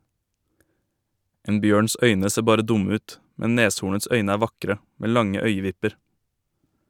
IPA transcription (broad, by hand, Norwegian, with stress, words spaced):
ˈeːn ˈbjøːɳs ˈœʏnə ˈseː ˈbɑːɾə ˈdʊmə ˈʉːt ˈmɛ ˈneːshuːɳəts ˈœʏnə ˈæː ˈʋɑkɾə ˈmeː ˈlɑŋə ˈœʏəˌʋɪpəɾ